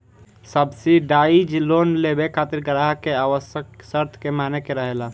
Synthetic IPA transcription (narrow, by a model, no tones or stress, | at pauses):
səbsiɖaid͡ʒloːnlebekʰaːt̪iɾɡəɾaɦkeaːʋəsjəksəɾt̪ʰkemaːnekeɾəɦela